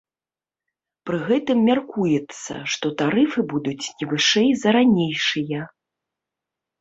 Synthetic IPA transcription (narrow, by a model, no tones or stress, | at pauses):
pɾɨɣɛt̪ɨmːʲarkujɛt̪sːɐ̰ʂt̪ɔt̪aɾɨfɨbud̪ut͡sʲnʲivɨʂɛjzɐɾanʲejʂɨjɐ